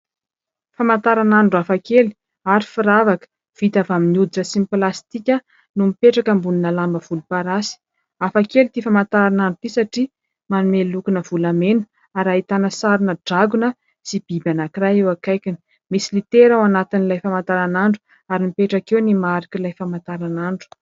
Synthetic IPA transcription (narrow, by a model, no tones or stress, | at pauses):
famant̪aɾanaɳɖ͡ʐafakeli̥ | aɾifiɾavakə̥ | v̥it̪avaminiud̪iʈ͡ʂəsimiplast̪ikʲə | numipeʈ͡ʂakəmbuninalambəv̥ulupaɾasi̥ | afakelit̪ifamant̪aɾanaɳɖ͡ʐut̪isaʈ͡ʂi | manumelukunəv̥ulamenə̥ | aɾaɦit̪anəsaɾinəɖ͡ʐaɡunə | sib̥ibanakiɾajewakajkʲini̥ | misilit̪eɾawanat̪inilajfamant̪aɾanaɳɖ͡ʐu̥ | aɾimipeʈ͡ʂakewnimaɾikilajfamant̪aɾanaɳɖ͡ʐu̥